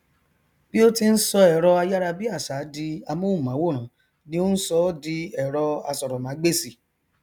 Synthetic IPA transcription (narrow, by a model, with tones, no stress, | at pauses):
b̥i˦o˦ti˧n̩˦sɔ˧ɛ˨ɾɔ˧a˧ja˦ɾa˧bi˦a˦˨sa˨˦di˧a˧mõ˦ũ˦˨mã˨˦wo˦˨ɾ̃ã˨˦ | nĩ˦o˦n̩˦sɔ˧˦di˧ɛ˨ɾɔ˧a˧sɔ˨ɾɔ˨mã˨˦ɡ͡be˦˨si˦˨